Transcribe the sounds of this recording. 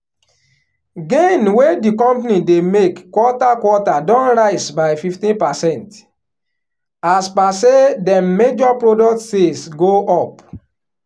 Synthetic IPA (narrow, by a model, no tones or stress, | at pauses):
ɡẽnwedikɔ̃mpanidemekkːwɔtakwɔtadɔ̃nɹaɪsbaɪfiftĩnpasɛ̃nt | aspasedɛmed͡ʒɔpɹodɔktsesɡoʔɔp